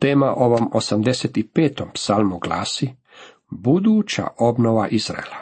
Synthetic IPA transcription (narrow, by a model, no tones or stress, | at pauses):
t̪eːmaʔo̞ʋomo̞samd̪eset̪ipeːt̪ompsalmuɡla̰ːsi | bud̪uːt͡ɕa̰ʔo̞bnoʋaʔiz̥ɾa̰ela